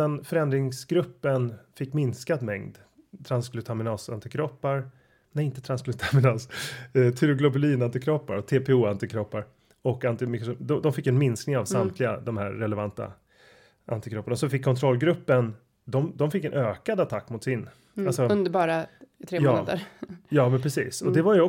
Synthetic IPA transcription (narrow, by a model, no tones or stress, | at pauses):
ɛnfœɾɛnd̪ɾɪŋsɡɾɵpːənfɪkːmɪnskad̪mɛŋd̪ | t̪ʰɾansklʉt̪ʰamɪnɑːsa̰nt̪ɪkʰɾɔpːaɾ | nɛɪnt̪ə̥t̪ʰɾansklʉt̪ʰamɪnɑːst̪ʰɪɾʊɡlɔbʉliːnant̪ɪkʰɾɔpːaɾɔt̪ʰeːpʰeuːant̪ɪkʰɾɔpːaɾ | ɔkant̪ɪmɪkɾʂd̪ɔd̪ɔmfɪkːɛnmɪnsknɪŋavsnamt̪ʰlɪɡa̰d̪ɔmhæ̰ɾːɛlɛvant̪a̰ | ʔa̰nt̪ɪkɾɔpːaɳasɔfɪkʰːɔnt̪ʰɾɔlːɡɾɵpːən | d̪ɔmd̪ɔmfɪkːɛnʔøːkad̪at̪ʰakːmʊt̪sɪn | alsɔɵnd̪əɾbɑːɾat̪ʰɾeːmjɑoːad̪ə̰ɾjɑːmɛnpʰɾɛsḭːsɔd̪ɛvaɾjəɔ